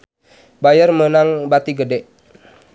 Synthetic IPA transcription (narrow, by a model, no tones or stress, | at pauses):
bajərmənaŋbat̪iɡədɛʔ